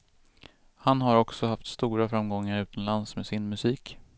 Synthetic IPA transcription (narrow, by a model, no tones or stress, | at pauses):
hanɦaɾɔksɔhaft̪st̪uːɾafɾamɡɔŋːaɾʉ̟ːt̪ʰanlansmesɪnmɵsiːk